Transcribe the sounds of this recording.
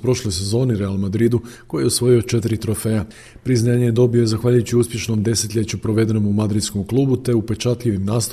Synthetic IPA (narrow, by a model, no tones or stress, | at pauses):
pɾo̞ʃlo̞jse̞zo̞ːniɾealˠmad̪ɾid̪uko̞jijeusʋo̞jio̞t͡ʃe̞t̪iɾit̪ɾo̞fea | pɾiznaːɲejed̪o̞bijoezaxʋaːʎujut͡ɕiuspʲje̞ʃno̞md̪e̞set̪ʎʲe̞t͡ɕupɾo̞ʋe̞d̪e̞nomumad̪ɾid̪sko̞mklˠuːbut̪e̞upe̞t͡ʃat̪ʎʲiʋimnaːst̪